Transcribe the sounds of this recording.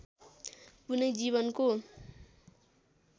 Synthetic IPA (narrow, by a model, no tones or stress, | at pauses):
punʌjd͡ziβʌnko